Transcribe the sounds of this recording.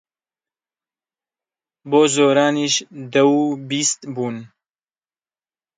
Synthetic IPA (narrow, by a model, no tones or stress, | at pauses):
boːzoːɾaːniːʃd̪ɛwubiːst̪buːn